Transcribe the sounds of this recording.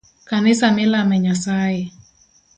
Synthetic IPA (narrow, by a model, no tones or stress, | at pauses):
kanɪsamɪlamɛɲasajɛ